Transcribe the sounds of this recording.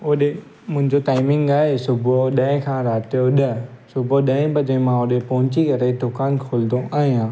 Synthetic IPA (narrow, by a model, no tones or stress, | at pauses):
ʊɗe | mʊ̃ɦɪ̃ɲd͡ʑotaːɪmɪ̃ŋɡaːɦesʊbʱoɗɐɦɪ̃kʰãːɾaːt̪ijoɗɐsʊbʱoɗɐ̃ɦɪ̃pɐd͡ʑẽmãʊɗepɐɦʊ̃ɲt͡ɕikɐɾed̪oːkaːnkʰoːld̪oʔaːɦĩãː